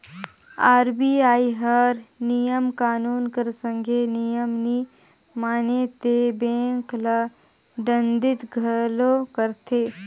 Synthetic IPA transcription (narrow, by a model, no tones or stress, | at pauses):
aːɾbiaːiɦəɾnijəmkaːnuːnkəɾsə̃ŋɡʱenijəmni | maːnet̪ebẽːŋkla | ɖə̃nd̪ɪt̪ɡʱɐlokəɾt̪ʰeː